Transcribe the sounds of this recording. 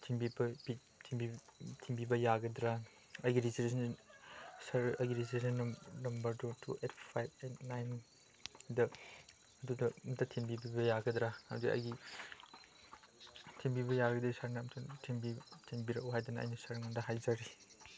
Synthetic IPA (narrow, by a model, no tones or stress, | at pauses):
tʰinbibɐbi | tʰimbitʰimbibɐjaɡɐdɾa | ɐjɡiɾisɾesʰn | sɐɾɐjɡiɾistɾesʰɐnːnɐmbɐɾdutʰṵet̚ʰpʰajb̚ennajn | dɐ | ɐdudɐmtatʰinbibibɐjaɡɐdɾaa̰wdiʔɐ̰jɡi | tʰimbibɐjaɡɐdɐisaɾnamtʰɐtʰimbitʰinbiɾɐʔuɦajdɐnɐɐ̰jnɐsɐɾŋandɐɦajd͡ʒaɾi